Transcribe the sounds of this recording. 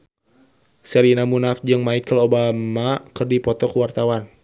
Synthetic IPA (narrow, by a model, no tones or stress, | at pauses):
sɛɾinamunafd͡ʒɨŋmaikəlobamakərdipɔt̪ɔkəwart̪awan